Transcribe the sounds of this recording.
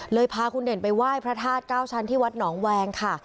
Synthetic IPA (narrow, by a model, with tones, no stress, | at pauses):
lɤː˧jpʰaː˧kʰu˧nde˨˩npa˧jwaː˥˩jpʰɾa˦˥t̪ʰaː˥˩t̪̚kaː˥˩wt͡ɕʰa˦˧˥nt̪ʰiː˥˩wa˦˥t̪̚nɔː˩˦ŋwɛː˧ŋkʰa˥˩